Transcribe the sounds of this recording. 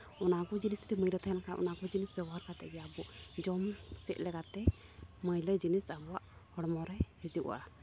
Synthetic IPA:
ɔnakɔd͡ʒinist̪iməjɾɔt̪ʰaɦɛnakaʔɔ̰nakɔd͡ʒinisbɛbɔɦaɾkat̪ɛ̰ɡɛjabuʔd͡ʒɔmsɛʔ̪̚lɛkat̪ɛ | məjləd͡ʒinisabɔwaʔhɔɽmɔɾɛjhɛd͡ʒuʔa̰ʔa

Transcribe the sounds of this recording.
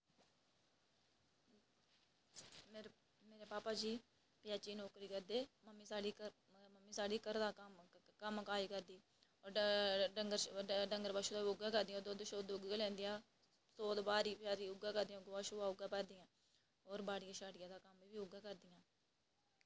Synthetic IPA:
mː | meːɾeːpaːpaːd͡ʒiː | pɪjaːt͡ʃiːnɔːkɾiːkəɾd̪eːməmːiːsaːɖiː | məmːiːsaːɖiːkəɾd̪aːkəmkaːiːkəɾd̪iː | oɖəŋɡəɾɖəŋɡəɾbaːʃuːd̪aːʊɡãːkəɾd̪ɪãod̪oːd̪ʃoːd̪ʊɡalɛ̃ːnd̪ɪjãː | soːd̪baːɾiːpaːɾiːʊɡãːkəɾd̪ɪ̃jãɡʋaːʃuːaːʊɡãːpɛːd̪ɪjãː | oːɾbaːɽɪjãːʃaːɽɪjãːd̪aːkəmʋiːʋiːʊɡãːkəɾd̪ɪjãː

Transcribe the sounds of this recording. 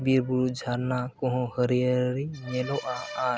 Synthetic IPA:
biɾbuɾud͡ʒʱaɾnakõɦõhəɾiəɾimeloʔaa

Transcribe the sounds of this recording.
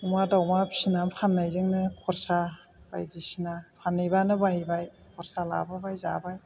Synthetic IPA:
umadawmapʰsinampʰanːajzɯŋnɯkʰɔɾsa | b̥a̰jdisinapʰanːɯjbanɯbaɦibaj | kʰɔɾsala̰babajza̰baj

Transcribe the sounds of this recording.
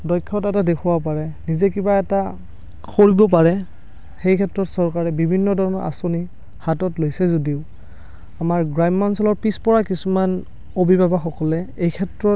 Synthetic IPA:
dɔjkʰːɔtɛtadekʰubapaɹɛnizɛkibaɛta | xoɹibɔp̬aɹɛ | xejkʰɛtɹɔtsɔɹkaɹɛbibʱinːɔdʱɔɹɔnɔʔa̰soni | hatɔtlojsɛzodiʊ | amaɹɡɹajmːansɔlɔɹpispɔɹakisuman | obibabaxɔkɔlɛejkʰɛtɹɔ

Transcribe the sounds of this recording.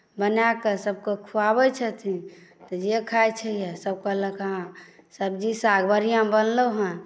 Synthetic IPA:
bənakesəb̚kekʰuabɛt͡ʃʰət̪ʰit̪ɔd͡ʒekʰajt͡ʃʰɛjɛsəb̚kələkɦã | səb̚d͡ʒisaɡbəɾijãbənləɦə̃

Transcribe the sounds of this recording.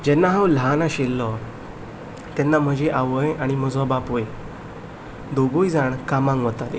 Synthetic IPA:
d͡ʑɛnːaɦãwlanaɕelːɔ | t̪ɛnːam̤əd͡ʑeʔaʋəjaɽ̃iməd͡zɔ̃bapoj | d̪oɡojd͡zaɳkamãŋɡʋət̪at̪e

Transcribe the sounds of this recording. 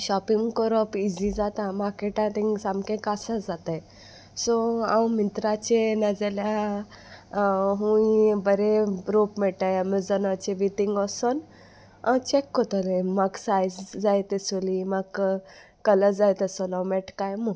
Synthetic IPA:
ɕɔpiŋɡkɔɾɔpid͡zid͡zat̪ãmaɾkeʈãt̪ĩŋɡsamkẽkasad͡zat̪aj | sɔãwmit̪ɾat͡ɕenəd͡zalja | ɦũibəɾeɾopmɛʈajamiɾd͡zənat͡ɕebit̪iŋɡəsən | ã̰t͡ɕekːɔt̪ɔlemaɡsajsd͡zajt̪esolimaɡ | kələd͡zajt̪əsɔlawmɛʈkajmu

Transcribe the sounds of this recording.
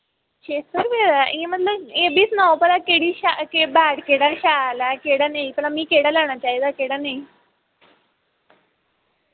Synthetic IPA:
t͡ɕesəɾbed̪aʔĩẽmət̪ləbebiːsnɔpəlakeɽiɕakebaɽkeɽaɕalakeɽanaipəlamiːkeɽalaɽ̃at͡ɕaid̪akeɽanai

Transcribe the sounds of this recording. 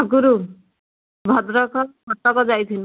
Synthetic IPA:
ɡuɾu | bʱʌd̪ɾɔkɔbʱɔʈːɔkɔd͡ʒajt̪ʰin

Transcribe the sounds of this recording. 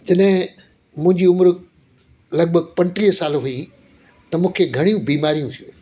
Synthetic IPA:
d͡ʑɐɗɦɪ̃ | mũɦɪ̃ɲd͡ʑiʊmɾ | lɐɡ̚bʱəɡ̚pɐ̃ɲʈɾiːɦsaːloɦui | t̪ɐmũːkʰeɡʱɐɽ̃ijũbiːmaːɾijũt̪ʰijũ

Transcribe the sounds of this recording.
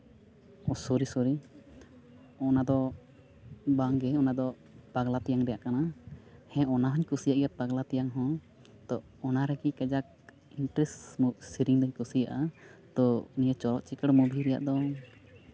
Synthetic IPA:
ɔsoɾisɔɾi | ɔnad̪ɔ | baŋɡɛɔnad̪ɔ | paɡlat̪ɛjaŋɾɛjaʔkanahɛ̃ʔɔnaɦɔɲkusijaʔɡɛpaɡlat̪ɛjaŋɦɔ̃ | t̪ɔ | ɔnaɾɛɡikɛd͡ʒak̚ | inʈɾɛsmuʔsiɾiŋd̪ɔɲkusijaʔat̪ɔnijət͡ʃɔɾɔʔt͡ʃikəɽmubʱiɾɛja̰ʔd̪ɔ

